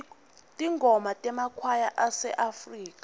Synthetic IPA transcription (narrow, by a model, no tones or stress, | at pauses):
tʼiŋɡʱɔmatʼɛmakʰwajaʔasɛ̰ʔafriːk̬ʼa